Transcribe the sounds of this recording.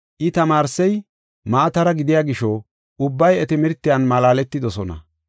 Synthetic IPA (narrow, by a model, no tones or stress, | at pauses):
ʔɪt̪ɐmaːɾsɛj | maːt̪ɐɾɐɡɪd̪ɪjaːɡɪʃɔ | ʊbːɐjɛt̪ɪmɪɾt̪ːɪjaːnmɐlaːlɛt̪ːɪd̪ɔsɔnɐ̰